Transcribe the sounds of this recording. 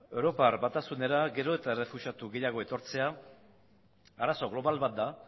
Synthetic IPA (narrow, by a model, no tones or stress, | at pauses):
ewɾo̞parbat̪asune̞ɾaɡe̞ɾo̞e̞t̪aere̞fuʃat̪uɣe̞jaɣ̞o̞e̞t̪o̞ɾt͡se̞a | aɾaso̞ɣlo̞βalβat̪̚d̪a